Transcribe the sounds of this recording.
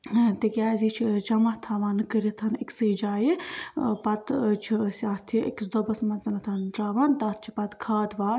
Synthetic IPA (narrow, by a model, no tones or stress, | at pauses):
t̪ikʲjaːzit͡ʃʰid͡ʒɐmɐɦt̪ʰaːʋaːnkəɾit̪ʰɐniksɨd͡ʒaːjipɐt̪t͡ʃʰisʲaːt̪ʰiḭkʲd̪obɐsmɐt͡sɐnɐt̪ʰɐnt̪ɾaːʋaːnt̪aːt̪̚ʰt͡ʃʰi̥pɐt̪kʰaːd̪ʋaːɾ